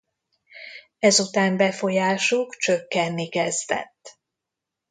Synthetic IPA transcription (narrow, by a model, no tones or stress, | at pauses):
ɛzut̪aːmbɛfo̞jaːʃukt͡ʃøkːɛnːikɛzd̪ɛ̰t̪ː